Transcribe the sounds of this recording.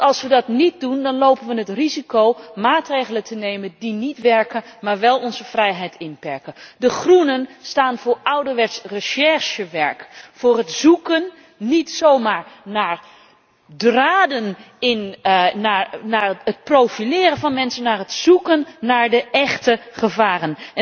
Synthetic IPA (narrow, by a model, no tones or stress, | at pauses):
ʔɑlˠsʋədɑtnit̚dundɔnlowpənʋənətrizikowmaːtrejɣələtʰənejməndinitʋɛɹkəmaːɹʋɛlˠɔnzəfrɛjɦɛjtʰɪnpɛɹkədəχrunənstaːnvʊːɹawdəɹʋɛtsrəʃɛɹʃəʋɛɹkfʊːrɦətzukənː | itsowmaːɹnaːɹ | draːdən | ɪnnaɹnaət̚prowfilɪːɾənvɑnmɛnsənːaːɹɦətsukənːaːɹdəʔɛχtəχəvaːrən